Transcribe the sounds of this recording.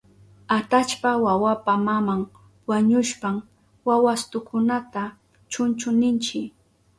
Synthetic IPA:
at̪at͡ʃpawawapamamaŋ | waɲʊʃpam | wawast̪ʊkʰʊnat̪a | t͡ʃʊnt͡ʃʊnɪnt͡ʃɪ

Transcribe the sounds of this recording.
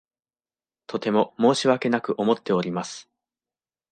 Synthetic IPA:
t̪ʰo̞t̪e̞mo̞mo̞ːɕiβake̞nakɯ̟ʔo̞mo̞t̪ːe̞o̞ɾʲimasɨ̥

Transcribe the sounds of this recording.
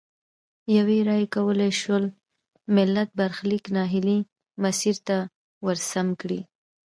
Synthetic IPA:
jaweɾɑjekawəleʃwəl | mɪlːat̪̚baɾxliknɑɦɪli | masiɾt̪a | wəɾsamkɽḭ

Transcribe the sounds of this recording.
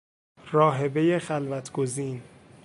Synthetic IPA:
ɾɒːɦe̞be̞je̞xælvæt̪ʰɡ̥o̞ziːn

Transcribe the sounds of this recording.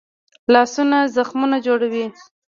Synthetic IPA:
lɑsunazaxmunad͡ʒoɽawi

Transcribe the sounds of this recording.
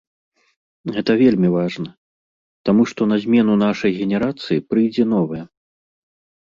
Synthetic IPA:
ɣɛt̪ɐvʲelʲmʲivaʐnɐ | t̪amuʂt̪ɔnɐzʲmʲɛn̪unaʂɐjɣʲɛnʲɛɾat̪sɨjipɾɨjd͡zʲɛnɔvɐjɛ

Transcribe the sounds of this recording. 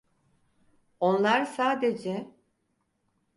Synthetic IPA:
o̞nlˠaɾsaːd̪ed͡ʒɛ

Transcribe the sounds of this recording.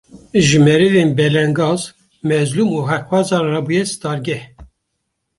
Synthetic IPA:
ʒɨmɛɾɨvenbɛlɛŋɡɑːz | mɛzlumuːɦɛkwɑzɑːnrɑbujɛsɨ̥t̪ɑːɾɡɛh

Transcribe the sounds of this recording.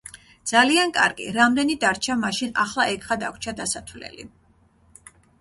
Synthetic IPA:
d̪z̥aliankʼaɾɡḭɾamd̪ɛnid̪aɾt͡ʃʰamaʃina̰χlˠaʔɛkʰʼχad̪akʷʰt͡ʃʰad̪asat̪ʰvlɛ̰lḭ

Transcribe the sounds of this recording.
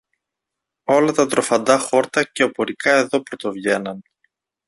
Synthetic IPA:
o̞lɐt̪ɐt̪ɾo̞fɐnd̪ɐxo̞ɾt̪ɐce̞o̞po̞ɾikɐe̞ðo̞pɾo̞t̪o̞vʝe̞nɐn

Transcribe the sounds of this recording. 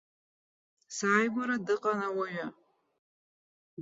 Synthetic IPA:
saːjɡʷaɾadɨqʼanawaɥa

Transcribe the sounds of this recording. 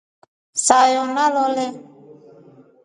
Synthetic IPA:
saːjoːnaðoːle

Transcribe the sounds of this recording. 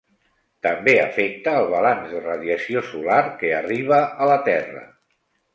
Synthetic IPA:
t̪əmbeə̰fek̚t̪əːlˠβalanzðərəðjəsiosularkeəriβ̞əələt̪ɛrə̰

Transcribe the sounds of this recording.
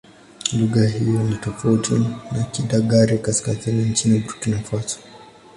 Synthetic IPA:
luɣaɦijɔnitɔfautinakiɗaɠaɾikaskazinint͡ʃinibɾukinafasɔ̥

